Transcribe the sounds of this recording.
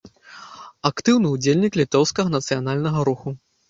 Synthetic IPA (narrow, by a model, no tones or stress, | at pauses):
akt̪ɨwnɨud͡zʲelʲnʲiklʲit̪ɔwskɐɣɐnɐt̪sɨjanalʲnɐɣɐɾuxu